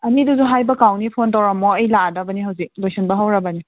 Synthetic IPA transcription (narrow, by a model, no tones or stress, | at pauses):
ɐniduzuɦajbɐkawnipʰontawɾamːɔɐjladɐbɐniɦawzik̚lojsʰinbɐɦawɾɐbɐni